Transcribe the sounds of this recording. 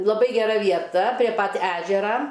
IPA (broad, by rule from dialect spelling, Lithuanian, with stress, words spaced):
lˠɐˈbɐɪ ɡʲɛˈrɐ ʋʲiɛˈtɐ pʲrʲiɛ pɐt ˈæːʒʲɛrɐ